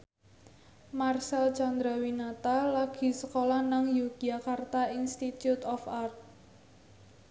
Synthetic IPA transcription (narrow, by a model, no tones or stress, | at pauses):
marsalt͡ʃand̪ɾawinat̪alaɡ̥i̤səkolanaŋjuɡ̥iakart̪ainst̪it̪jut̪ɔfart̪̚